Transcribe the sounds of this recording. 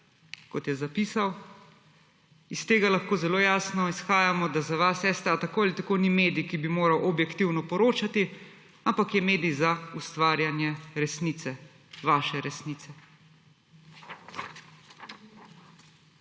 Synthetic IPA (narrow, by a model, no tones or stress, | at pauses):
kɔt̪jɛzapiːsaw | ist̪eːɡalaxkoːzɛloːjaːsnɔisxaːjamɔd̪azaʋasɛːst̪ɾat̪akoːalit̪akonimeːd̪ijkibimoːɾawʔɔbjɛkt̪iwnɔpɔɾoːt͡ʃat̪i | ampakjɛmeːd̪ijzaust̪ʋaːɾjanjɛɾɛsniːt̪sɛ | ʋaːʃɛɾɛsniːt̪sɛ